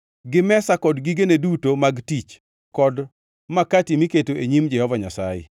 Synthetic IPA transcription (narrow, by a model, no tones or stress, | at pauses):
ɡɪmɛsakɔdɡiɡenedutomaɡtit͡ʃ | kɔd | makatimiketoʔeɲimd͡ʒɛhɔvaɲasajɛ̰